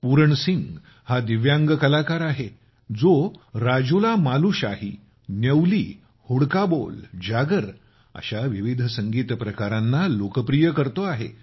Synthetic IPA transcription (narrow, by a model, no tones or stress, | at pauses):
puɾəɳsiŋɡ | had̪iʋjãŋɡkəlakaɾaɦe | d͡zoɾad͡ʑulamaluɕaɦi | nəwliː | huɽkabo̰ld͡ʑaɡəɾ | ə̰ɕaʋiʋid̪ʱəsəŋɡiːt̪pɾəkaɾãnːalokəpɾijəkəɾt̪oaɦḛ